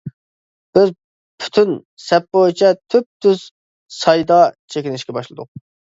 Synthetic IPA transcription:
b̥ɪz | pʰy̥t̪ʰyn | sɛpːot͡ʃʰɛt̪ʰyp̚t̪ʰyz̥ | sɑjd̪ɑt͡ʃʰekʲinɪʃkʲɛbɑʃlˠɨd̪ʊ̰q̚

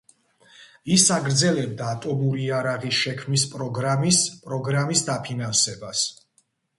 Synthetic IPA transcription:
isaɡɾd̪zɛlɛb̚d̪aːt̪ʼɔmuɾiaɾaʁisʃɛkʰmnispʼɾɔɡɾamispʼɾɔɡɾamisd̪apʰinansɛbas

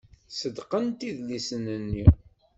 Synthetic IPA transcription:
səd̪qənt̪iðlisənənːi

